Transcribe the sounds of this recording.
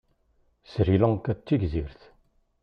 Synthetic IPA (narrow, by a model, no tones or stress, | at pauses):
sɾilækːæt͡sːiɡziɾθ